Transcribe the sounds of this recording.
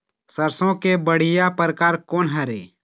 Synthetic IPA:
səɾsõkebəɽ̤ɪjapəɾəkaːɾkoːnɦɛɾḛː

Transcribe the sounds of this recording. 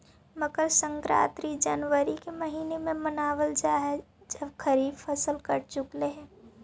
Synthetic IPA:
mɐɡəɾsə̃ŋkɾa̰ːt̪ɾid͡ʒɐnwəɾikemɐɦiːnemẽmɐnaːwəld͡ʒaːɦɛ | d͡ʒɐbkʰɐɾiːbfʰɐsəlkɐɾt͡ʃʊkleɦɛ̃ː

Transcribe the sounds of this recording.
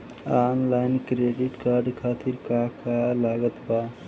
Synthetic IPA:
anlajnkɾeɖiʈkaːɾɖkʰaːt̪iɾkakalaːɡət̪ba

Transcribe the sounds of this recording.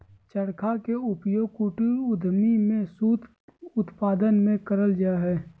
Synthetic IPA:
t͡ʃəɽkʰakeʊpjoːɡ̚kuːʈuʊd̪ʱmimẽsuːt̪ | ʊt̪paːd̪ənmẽkəɾəld͡ʒaɦɛː

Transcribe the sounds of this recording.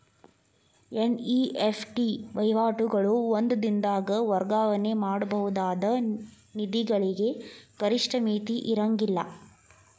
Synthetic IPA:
eniepʰʈiʋɐjʋaːʈuɡɐɭuond̪ɐd̪ind̪aːɡɐʋɐɾɡaːʋɐne̞maːɽubɐɦud̪aːd̪ɐ | nid̪iɡɐɭiɡe̞kɐɾiʂʈʰɐmiːt̪iʔiɾɐŋɡilːɐ

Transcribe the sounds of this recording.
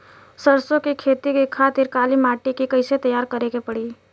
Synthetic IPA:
səɾsõkikʰeːt̪ikekʰaːt̪ɪɾkaːlimaːʈikikɐɪset̪ɐjaːɾkəɾekepɐɽi

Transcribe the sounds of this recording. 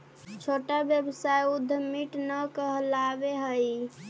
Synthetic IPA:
t͡ʃʰoʈabjəbsajud̪ʱːəmiʈnəkəɦəlabeɦəj

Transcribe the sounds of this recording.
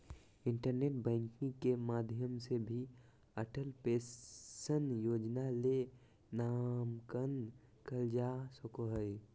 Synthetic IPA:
ɪɳʈəɾneʈ̚bə̃ŋkĩŋkemad̪ʱjəmsebʱi | əʈəlpesənjoːd͡ʒnale | namkən | kəld͡ʒasəkoɦəj

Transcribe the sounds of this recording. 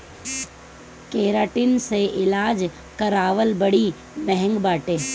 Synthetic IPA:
keːɾaːʈɪnseʔɪlaːd͡ʒ | kɐɾaːʋəlbəɽi | mɛɦɛ̃ŋɡbaːʈeː

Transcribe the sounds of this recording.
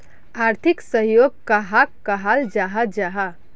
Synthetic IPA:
aːɾt̪ʰɪksəɦjoːɡ̚kaɦak̚kɐɦald͡ʒaɦad͡ʒaɦa

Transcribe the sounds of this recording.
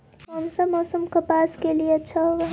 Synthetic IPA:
ɦəmsəbmɔsumkəpaskelijet͡ʃʰəʋə

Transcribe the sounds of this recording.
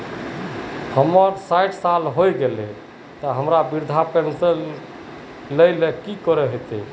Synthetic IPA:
həməɾsajʈʰsalɦojɡelɛ | t̪ɔɦəmɾabiɾd̪ʱapensəlː | əjlekikɔɾɛɦet̪ɛ

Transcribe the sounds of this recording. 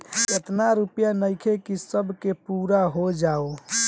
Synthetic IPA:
et̪naɾupjanəɪkʰekisəbʱkepuɾaɦod͡ʒao

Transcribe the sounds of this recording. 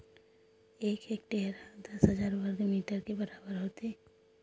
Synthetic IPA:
eːkʰeːk̚ʈeːɦɾad̪ɐsɦəzaːɾbʱəɾɡ̪miːʈəɾkebəɾaːbəɾɦoːt̪eː

